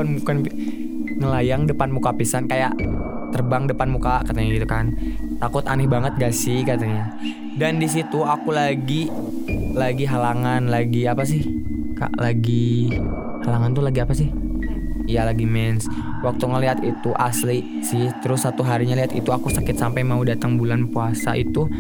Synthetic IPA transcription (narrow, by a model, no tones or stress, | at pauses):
anmukan | ŋəlajaŋdəpanmukapisankajaʔ | t̪ərbaŋdəpanmukakat̪aɲaɡit̪ukant̪akʊt̪anɪhbaŋət̪̚ɡaʔsɪhkat̪aɲa | dandis̬it̪uakulaɡi | laɡiɦalaŋanlaɡiapas̬ɪhka̰ʔlaɡi | halaŋant̪ulaɡiapasɪh | ijalaɡimɛnswak̚t̪uŋəliɦat̪it̪uʔasli | sɪht̪əɾʊsːat̪uɦaɾiɲaliɦat̪ḭt̪uakusakɪt̪sampajmaudat̪aŋbulanpuasaʔit̪u